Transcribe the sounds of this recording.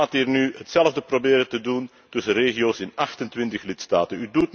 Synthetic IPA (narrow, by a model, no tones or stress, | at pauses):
aːtiːrnyɦətsɛlˠvdəprobɪːɾətədun | tɵsəreːɣioːsɪnɑxtəntʋɪntəxlɪtstaːtənydut̚